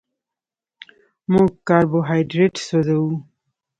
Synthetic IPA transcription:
mũɡkaːɾboɦajɖɾeʈsod̪ɐu

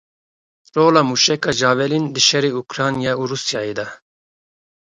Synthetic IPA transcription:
ɾoːlɑmuʃɛkɑd͡ʒɑːvɛlind̪ɨʃɛɾiukɾɑːnjɑuɾusjɑːed̪a

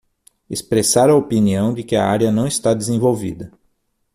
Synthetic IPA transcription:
espɾesaɾɐopiniɐ̃w̃d͡ʒ̪ɪkɪɐaɾjɐnɐ̃w̃ɪst̪ad̪ɪzẽvowvḭd̪ɐ

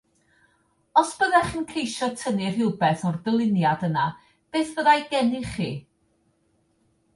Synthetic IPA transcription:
ɔsb̥əðɛχənkʰejʃɔtʰənɪr̥ɪwbɛθɔrdəlˠɪnjadəna | b̥eːθv̥əðajɡɛnɪχiː

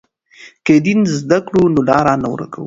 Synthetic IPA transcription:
ked̪inzd̪akɽunolɑɾɑnaw̰ɾa̰ka̰wu

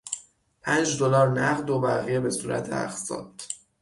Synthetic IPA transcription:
pʰænd͡ʒd̪o̞lɒːɾnæɣd̪obæɣije̞be̞suːɾæ̰t̪ʰeæ̰xsɒ̰ːd̪̥

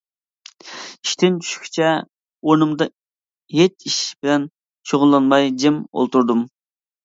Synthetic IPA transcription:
i̥ʃt̪ʰɪnt͡ʃʰy̥ʃkʲʰi̥t͡ʃʰɛ | onɨmd̪ɑ | ɦet͡ʃiʃbɪlɛn | ʃoʁʊnlːˠɑnmɑjd͡ʒɪmo̰lˠt̪uɾd̪um

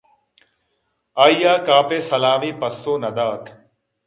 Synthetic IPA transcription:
aːijaːkaːpeːsɐlaːmiːpɐsːoːnɐd̪aːt̪ʰ

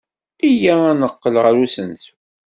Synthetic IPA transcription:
ijaænəqːəlʁəɾusənt̪

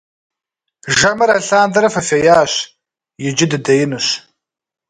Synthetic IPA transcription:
ʒɐmɐɾɐɬaːndɐɾɐfɐfɐjaːɕ | jɪd͡ʒɪdɨdɐjɪnɨɕ

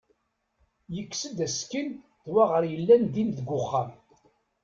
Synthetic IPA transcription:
jəkːsəd̪æskən | ðwaʁəɾjəlːænd̪inðəɡʷːʊχːam

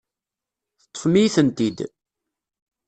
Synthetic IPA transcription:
θə̥t̪ˤːə̥fmijθənt̪id̪

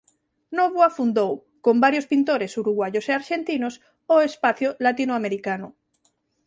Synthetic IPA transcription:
noβuafund̪ow | kombaɾjospint̪oɾesuɾuɣwajoseaɾʃent̪inos | oespaθjolat̪inoameɾikanʊ

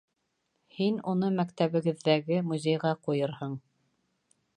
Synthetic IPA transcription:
hinunɤmækt̪æβɘ̆ɡɘ̆ðːæɡɘmuzʲejʁɑqujɤɾhɤɴ

